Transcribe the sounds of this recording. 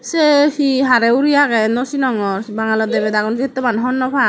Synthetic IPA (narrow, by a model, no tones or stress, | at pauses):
sɛhiɦaɾɛuɾijakɛnɔsinɔŋɔɹbaŋalɔd̪ɛbɛd̪aɡɔnsiɛt̪ːɔmanɦɔnːɔpʰa